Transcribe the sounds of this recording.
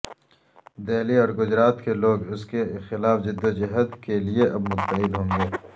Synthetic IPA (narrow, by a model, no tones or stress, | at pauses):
d̪eːliɔːɾɡʊd͡ʒɾaːt̪keloːɡʊskexɪlaːfd͡ʒɪd̪ːod͡ʒɪɦət̪kelieʔɐbmʊt̪ːəɦɪd̪ɦõːŋɡeː